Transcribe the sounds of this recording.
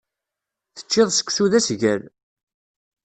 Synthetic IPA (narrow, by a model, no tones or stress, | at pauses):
θə̥t͡ʃːɪðˤsə̥kːsuðæsʝæl